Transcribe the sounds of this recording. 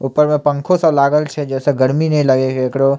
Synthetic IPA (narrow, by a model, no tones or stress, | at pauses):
uːpəɾmẽpɐ̃ŋkʰõsãlaːɡəlt͡ʃʰɛd͡ʒɛːseɡəɾminɐĩlɐɡekeːkɽo